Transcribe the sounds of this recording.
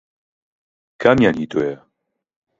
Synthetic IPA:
kʰamjanit̪ʰojɛ

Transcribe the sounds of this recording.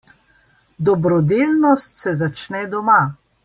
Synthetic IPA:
d̪ɔbɾɔd̪eːlnɔst̪sɛzat͡ʃnɛd̪ɔma

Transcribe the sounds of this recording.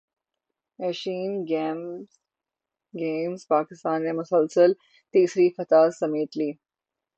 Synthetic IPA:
eʃiːnɡm | ɡeːmzpaːkɪst̪aːnmemʊsəlsəl | t̪iːsɾifɐt̪aːsɐmeːt̪liː

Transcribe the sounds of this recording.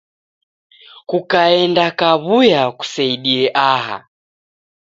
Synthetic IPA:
kukaɛndakaβujaku̥saiɗiɛʔaɦa̰

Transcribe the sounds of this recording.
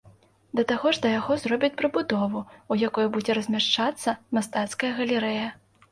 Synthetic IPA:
d̪ɐt̪aɣɔʐd̪ɐjaɣɔzrɔbʲit͡sʲpɾɨbud̪ɔvuujakɔjubud͡zʲɛɾɐzʲmʲaʂt͡ʂat̪sːɐmast̪at̪skɐjɐɣɐlʲɛɾɛjɐ

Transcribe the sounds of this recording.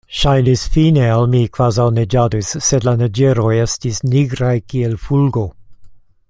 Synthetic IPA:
ʃajnisfinealmikv̥azawned͡ʒadusːedlanad͡ʒeɾo̞je̞stisniɡɾajkielfulɡo̞

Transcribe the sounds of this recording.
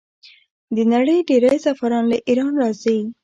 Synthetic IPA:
d̪ənaɽəjɖeɾajsafaɾɑnlaʔiɾɑnɾɑzə

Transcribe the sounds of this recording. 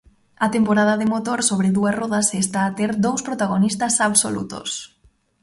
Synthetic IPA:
ɐt̪empoɾaðɐðemot̪oɾsoβɾeðuɐsrɔðasest̪aːt̪eɾd̪owspɾot̪aɣonist̪ɐsaβso̰lṵt̪o̰s

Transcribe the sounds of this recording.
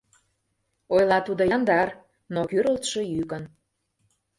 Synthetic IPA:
ojlˠɑt̪ud̪ojɑnd̪ɑr | nokyɾəlt̪ʃejykən

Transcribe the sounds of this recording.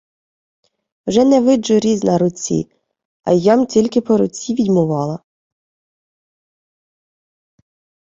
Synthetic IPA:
wʒɛnɛʋɪd͡ʒʊɾʲiznɐɾʊt͡sʲḭ | ɐ̰jɑmtʲilʲkɪpɔɾʊt͡sʲiʋʲid̪ʲmʊʋɑlˠɐ

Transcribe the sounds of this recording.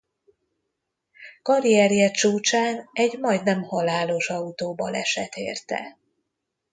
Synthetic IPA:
kɒɾijɛɾijɛt͡ʃuːt͡ʃaːnɛɟmɒjd̪nɛmhɒlaːlo̞ʃɒut̪oːbɒlɛʃɛt̪ḛːrt̪ɛ̰

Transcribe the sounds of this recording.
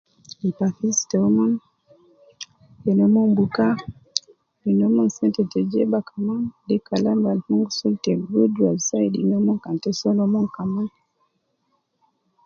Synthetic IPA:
ipafistɔman | hɛnɔmɔmbuka | dinɔmɔnsɛntɛtɛd͡ʒebakamandikalambalhuŋɡsultɛɡudwalsajdḭnɔmɔŋkantɛsɔnɔmɔŋkaman

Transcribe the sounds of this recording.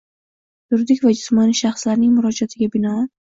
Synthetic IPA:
t̪ʊɾd̪ɪkʲvad͡ʒʊsmɒniʃaχslaɾnɪŋmʊɾɒd͡ʒiat̪ʰɪɡʲabɪnɒ

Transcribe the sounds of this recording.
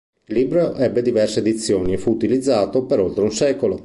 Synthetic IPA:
ilːiːbɾoʔɛbːed̪ivɛrsed̪it̪sːjoːniefuːt̪ilid̪zːaːt̪opeɾolt̪ɾeunsɛːkolo

